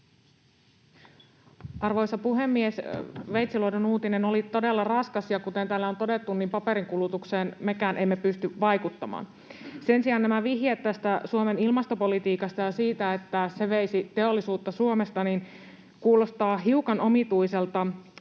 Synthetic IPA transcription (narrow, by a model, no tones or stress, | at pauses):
ʔɑrʋo̞jsɑpuɦe̞mːiesʋejt̪siloidonuːt̪ine̞no̞lit̪o̞delːɑrɑskɑsjɑkut̪e̞nt̪æːlːæo̞nt̪o̞de̞t̪ːunːimpɑpeɾiŋkulut̪ukseːnme̞kæːnʔe̞mːepyst̪yʋɑjkut̪ːɑmɑ̰ːn | se̞nsiɑːnnæmæʋiɦjet̪ːæst̪æsuome̞nilmɑst̪o̞po̞lit̪iːkɑst̪ɑjɑsiːt̪æet̪ːæse̞ʋeisit̪e̞olːisuːt̪ːɑsuomest̪ɑnin | kuːlo̞st̪ɑːɦiukɑno̞mit̪ujselt̪ɑ